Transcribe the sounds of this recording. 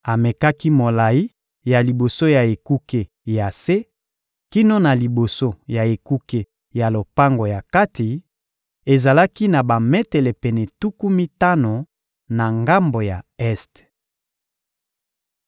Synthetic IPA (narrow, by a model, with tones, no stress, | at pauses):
a˨me˨ka˦ki˦mo˨la˨i˦ | ja˨li˨bo˨so˦ja˨e˨ku˦ke˨ | ja˨se˦ | ki˦no˦na˨li˨bo˨so˦ja˨e˨ku˦ke˨ | ja˨lo˨pa˦ŋɡo˨ja˨ka˦ti˨ | e˨za˨la˦ki˦na˨ba˨mɛ˦tɛ˨lɛ˨pɛ˨nɛ˨tu˦ku˦mi˦ta˦no˨ | na˨ŋɡa˦mbo˨ja˨ɛ˦st